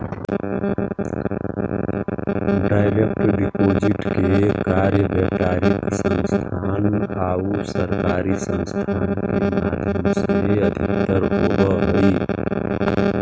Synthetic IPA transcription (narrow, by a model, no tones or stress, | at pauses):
ɖaːɪɾek̚ʈɖipoːd͡ʒɪʈkekaɾjəbəkaːɾɪksə̃nst̪ʰaːnaːusəɾkaːɾisə̃nst̪ʰaːnkemaːd̪ʱjəmseəd̪ʱɪkt̪əɾɦobəɦəi